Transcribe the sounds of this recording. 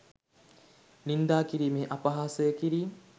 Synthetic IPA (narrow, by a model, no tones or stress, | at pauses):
nind̪aːkiɾiːmeːʔapɐɦaːsəjəkiɾiː